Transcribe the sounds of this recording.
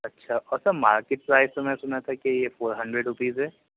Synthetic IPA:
ɐtːʃʰaʔɔːɾsɐbmaːɾkeʈ̚pɾaːɪssɐmɛ̃sʊnat̪ʰakejefoːɾɦɐ̃ɳɖɾeɖɾʊpiːzɦɛː

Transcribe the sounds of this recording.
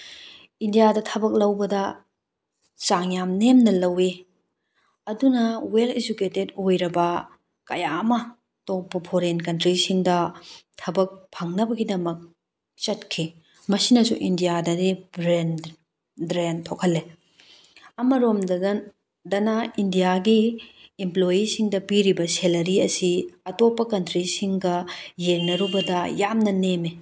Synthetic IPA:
indijadɐtʰɐbɐk̚lɐwbɐdɐ | t͡ʃaŋjamnemnɐlɐwe | ɐdunɐweled͡ʒuketedojɾɐbɐ | kɐ̰jamɐ | tok̚pɐpʰoɾenkɐntɾisiŋdɐtʰɐbɐk̚pʰɐŋnɐbɐɡidɐmɐk̚ | t͡ʃɐt̚kʰi | mɐsinɐsuʔindijadɐdibɾen | bɾentʰokʰɐlːe | ɐmɐɾomd | dɐnaindijaɡiːmplojisiŋdɐpiɾibɐselɐɾiɐsiɐtopːɐkɐntɾisiŋɡɐjeŋnɐɾubɐdɐjamnɐneme

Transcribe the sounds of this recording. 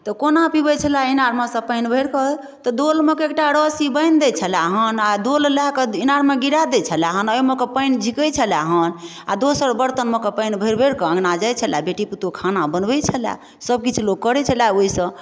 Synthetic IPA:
t̪ɔkonapibət͡ʃʰəlainaɾmẽsə̃pəɪnbʱəɽkə | t̪ɔd̪olmekeek̚ʈaɽəsibəɪnd̪ɛt͡ʃʰəlaɦənad̪ollakeinaɾmeɡiɾad̪ɛt͡ʃʰəlaɦənəjmekepəɪnd͡ʒʱikəjt͡ʃʰəlaɦən | a̰d̪osəɾbəɾt̪ənmekepəjnbʱəjɾbʱəɽkəə̃ŋɡnad͡ʒajt͡ʃʰəlabeʈiput̪okʰanabənbɛt͡ʃʰəla̰ | səb̚kit͡ʃʰuloɡ̚kːəɾɛt͡ʃʰəlaoisə̃

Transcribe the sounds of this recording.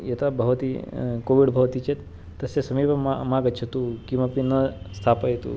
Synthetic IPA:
jɐt̪abʱɐʋɐt̪ikoʋiɖbʱɐʋt̪it͡ʃʰet̪ | t̪ːɐsesɐmiʋɐmaɡət͡ʃʰɐt̪ukimɐpinɐst̪ʰaːpajt̪ṵ

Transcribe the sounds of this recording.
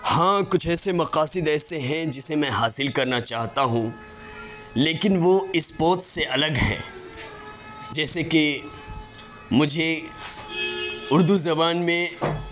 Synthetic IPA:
hãːkʊt͡ʃʰɛːsemɐqaːsɪd̪ɛːseɦɛ̃d͡ʒɪsemɛ̃ɦaːsɪlkɐɾnat͡ʃaːɦt̪aɦũː | leːkɪnʋoɪspɔːt̪seʔɐləɡɦɛ̰̃ː | d͡ʒɛːseke | mʊd͡ʒʱe | ʊɾd̪uzɐbaːnmẽ

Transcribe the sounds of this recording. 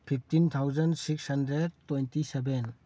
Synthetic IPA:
pʰip̚ʰtint̪ʰawzənsikshandɾedtɔjntisɛbɛn

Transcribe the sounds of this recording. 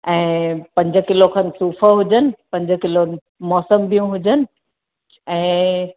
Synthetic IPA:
ɛ̃ːpɐ̃ɲd͡ʑə̆kɪlokʰãnsuːfəɦʊd͡ʑənɪ̆pɐ̃ɲd͡ʑkɪlon | mɔːsəmbijũɦʊd͡ʑənɪ̆ | ɛ̃ː

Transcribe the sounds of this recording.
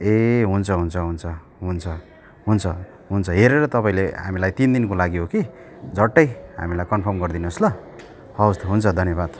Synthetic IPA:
eɦunt͡sʰʌɦunt͡sʰʌɦunt͡sʰʌ | ɦunt͡sʰʌ | ɦunt͡sʰʌ | ɦunt͡sʰʌɦeɾeɾʌt̪ʌpaĩleɦa̰milajt̪ind̪inkolaɡiɦoki | d͡zʌʈːʌjɦa̰milajkʌnpʰʌrmɡʌrd̪inoslʌ | hawst̪ɦunt͡sʰʌd̪ʱʌnjʌβad̪̥

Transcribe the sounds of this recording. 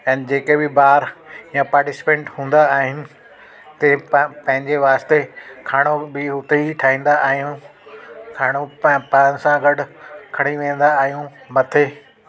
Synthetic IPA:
ɛ̃ːnd͡ʑeːkebɪbaːɾɪjãpaːɾʈɪsɪ̥pẽːɳʈhũːnd̪aːɦɪnɪ̆ | t̪ɐpɐ̃ɦɪ̃ɲd͡ʑeʋaːst̪ekʰaːɽ̃obɪɦʊt̪eiʈʰaːɦĩːn̆d̪aʔaːɦijũ | kʰaːɽ̃oppaːnɪ̆sãɡɐɖʊkʰɐɽ̃iʋẽːn̆d̪aːɦijũmɐt̪ʰeː

